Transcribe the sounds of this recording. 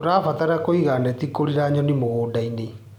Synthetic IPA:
oɾafataɾakoiɣanɛtikoɾiɾaɲɔnimoɣoːdaine

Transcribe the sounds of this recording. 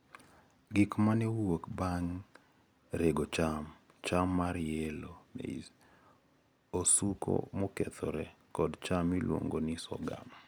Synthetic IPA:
ɡɪkmanɛwokbaŋ | ɾeɡot͡ʃam | t͡ʃamːaɾjɛlonḛi | osukʰo̰mokɛt̪ʰɔɾɛkɔdt͡ʃamilwo̰ŋɡonisɔ̰ɡa̰ma

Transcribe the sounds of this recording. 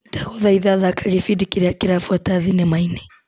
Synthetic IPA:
taɣɔðaiðaðakʰaɣifidikiɾiakiɾafuataðinɛmainɛ

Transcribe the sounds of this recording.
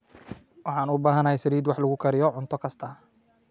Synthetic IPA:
wɑħɑːnʊbaːɦɐnɐhɛjsɐɾiːd̪wɑħlɐɣʊkʰɐɾɪjɔʕʊnt̪ʰɔkʰɐst̪ʰɐ

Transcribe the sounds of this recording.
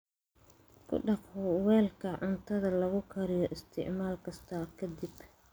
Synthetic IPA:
kʰʊ̰ɖɑqhʊwɛːlkʰɐʕʊnt̪ʰɐðɐlɐɣʊkʰɐɾɪjɔʔɪst̪ʰɪ̰ʕmaːlkʰɐst̪ʰɐkʰɐd̪ib

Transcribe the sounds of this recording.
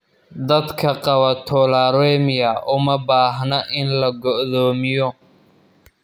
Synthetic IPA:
d̪ɐd̪kʰɐqɑβɐt̪ʰɔlaːɾɛːmɪjɐʔʊmɐbaːɦnɐʔɪnlɐɡɔʔðɔːmɪjɔ

